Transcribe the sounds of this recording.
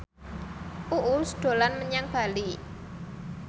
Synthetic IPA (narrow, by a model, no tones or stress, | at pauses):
ʔuʔusɖ̥o̤lanməɲaŋb̥a̤li